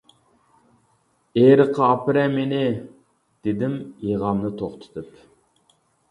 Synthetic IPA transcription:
eɾəqʰːɑɑpɨɾɛmenɪ | d̪̥ed̪ɪmjeʁɑmnɨt̪ʰoχt̪ʰɨ̥t̪ʰɨp

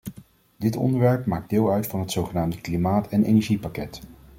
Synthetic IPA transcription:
dɪtɔ̰ndəɹʋɛɹpmaːɡ̚dɪːlˠœɥtfɑnɦətsowχənaːmdəklimaːtɛnḛjnɛɹʒipakɛt

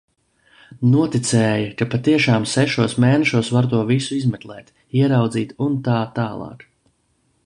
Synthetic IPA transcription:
nuɔt̪it̪sɛːjakapat̪iɛʃaːmsɛʃuɔsmɛːnɛʃuɔsvaɾt̪uɔvisuizmɛklˠɛːt̪ | iɛɾawd̪ziːt̪unt̪aːt̪aːlˠɑ̰ːk

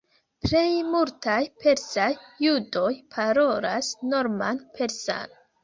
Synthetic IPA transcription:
ple̞jmultajpʰe̞ɾsajːudo̞jpʰaɾo̞lasno̞ɾmanpʰe̞ɾsa̰n

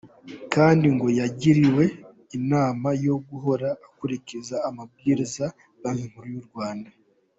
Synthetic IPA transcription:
kaːndiŋɡo̞jaɟiɾiwe̞ | inaːmajo̞ɡuɦo̞ɾaːkuɾicizaːmab̚ɡiɾiza | ɡamiŋ̥huɾujuɾɡwaːnda

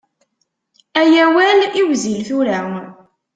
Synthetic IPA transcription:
æjæwæliwzilθuɾæ

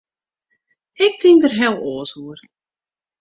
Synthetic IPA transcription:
ɪk̚tʰɪŋdərɦɛlˠoːəsuər

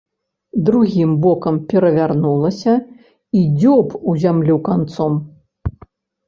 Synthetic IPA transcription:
d̪ɾuɣʲimbɔkɐmpʲɛɾɐvʲarnulˠɐsʲɐ | id͡zʲɔpuzʲamlʲukant̪sɔm

